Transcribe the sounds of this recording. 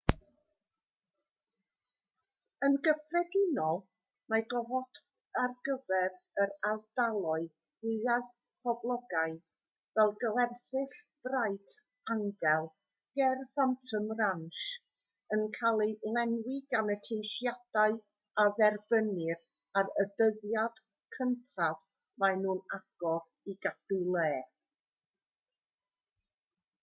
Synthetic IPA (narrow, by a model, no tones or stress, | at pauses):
ənɡəfrɛdɪnɔlˠ | maɡɔvɔd̥ | arɡəvɛɾ | əɾavdalˠɔɨð | ɪað | pʰɔblˠɔɡaɨð | vɛlˠɡəwɛrθɪɬb̥raɨtʰ | aŋɡɛlˠ | ɡ̥ɛrfantʰəmranʃ | ənkʰalˠilˠɛnwɪɡanəkʰejʃjad̥aɨ | aðɛrbənɨr | aɾəbəðjad̥ | kʰəntʰav | manuːnaɡ̥ɔr | iɡad̥ulˠeː